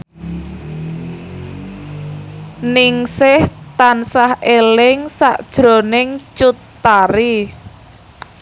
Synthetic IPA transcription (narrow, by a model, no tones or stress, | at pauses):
nɪŋsɪht̪ansahelɪŋsa̰ʔd̥ʒ̥ɾo̤nɪŋt͡ʃut̪ːaɾi